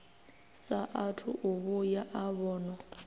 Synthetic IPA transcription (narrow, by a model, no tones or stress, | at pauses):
saʔatʰṵʔuβujaʔaβɔːnɔ